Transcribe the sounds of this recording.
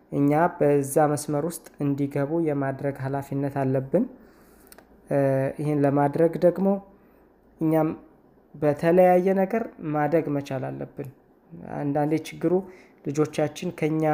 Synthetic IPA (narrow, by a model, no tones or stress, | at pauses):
ʔɨɲːabəɨzːaməsməɾwʊst̪ʼɨnd̪iɡəβujɛmad̪ɾəɡhalafinːət̪alːəbːɨn | ʔɪhɪnləmad̪ɾəɡd̪əɡmo̞ | ʔɨɲːam | bət̪ʰələjajːɛnəɡəɾmad̪ɾəɡmət͡ʃalalːəbːɨn | a̰nd̪and̪et͡ʃɪɡːɨɾu | lɨd͡ʒo̞t͡ʃːat͡ʃːɪnkʰəɨɲːa